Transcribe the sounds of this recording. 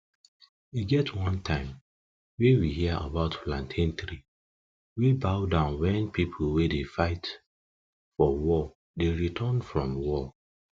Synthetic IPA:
wiɡɛtʰwʌ̃ntʰãɪ̃m | wewihiaʔa̰baʊtplãntʰɛ̃ntɾi | wibaʊdãʊ̃nwɛ̃npipʰl̩wedefaɪt | fɔwɔ | deɹitʰanfɹɔ̃mwɔ

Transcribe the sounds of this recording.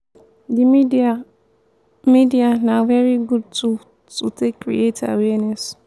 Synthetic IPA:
di | midianavɛɹiɡud̚tu | tutʰekːɹḭeta̰wɛnɛs

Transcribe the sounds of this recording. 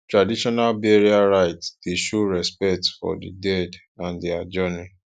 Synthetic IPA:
tɹadiʃɔnalbɛɹiaɾaɪtd̥eʃoɹɛspɛk̚tfɔ̰dḭdɛd | ãndiad͡ʒɔnĩ

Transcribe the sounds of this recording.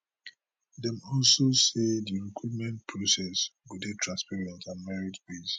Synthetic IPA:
dɛ̃mɔlsosediɹikʰupmɛ̃nt̚pʰɹosɛswidetʰɹãnspɛɹɛ̃ntʰãnmɛɹidbes

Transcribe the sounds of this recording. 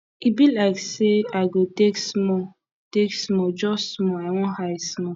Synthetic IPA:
ibilaɪkseaɪɡoteksmɔ | teksmɔd͡ʒɔssmɔawɔ̃haismɔ

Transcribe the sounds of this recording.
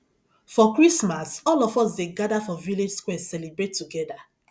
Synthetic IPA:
fɔkɹismasɔlɔfɔs̬deɡadafɔviled͡ʒskwɛsɛlebɹetːuɡɛda

